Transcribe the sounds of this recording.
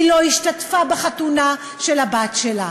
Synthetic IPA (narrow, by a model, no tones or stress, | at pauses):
ilo̞iʃtatfabeχatuna | ʃelabatʃela